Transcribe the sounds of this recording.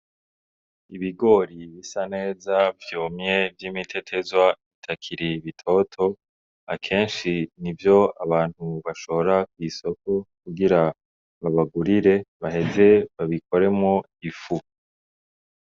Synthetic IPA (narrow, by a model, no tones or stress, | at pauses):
iβiɡo̞ːɾiβisane̞ːzavjoːmɲe̞vjiːmitʰe̞tʰe̞zwaitʰakʰiɾiβitʰo̞ːtʰo̞ | a̰kʰe̞ːnʃinivjo̞aβaːn̥huβaʃo̞βoɾak̚wiːso̞ko̞kuɡiɾa | βaβaɡuɾiɾe̞βaɦe̞ze̞βaβikʰo̞ɾe̞mŋo | ifu